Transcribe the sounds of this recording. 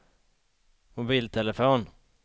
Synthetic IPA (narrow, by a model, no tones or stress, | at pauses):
mʊbiːlt̪ʰɛləfoːn